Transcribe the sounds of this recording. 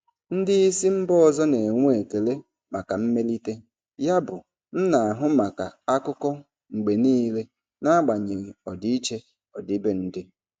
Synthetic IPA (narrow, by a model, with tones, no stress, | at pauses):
n̩˦dɪ˦i˦si˦m̩˦bɔ˦ɔ˨zɔ˦ne˨ŋʷu˦e˨ke˨le˦ | ma˨ka˨m̩˦me˦li˦te˦ | ja˦bʊ˨ | n̩˦na˨a˨ɦʊ˦ma˨ka˨a˦kʊ˦kɔ˦ | ŋ͡m̩˨ɡ͡be˨niː˦le˦ | na˦a˦ɡ͡ba˨ɲe˨ɣ̩˨ɔ˨di˦i˦t͡ʃe˦ | ɔ˨dɪ˦be˦n̩˦dɪ˦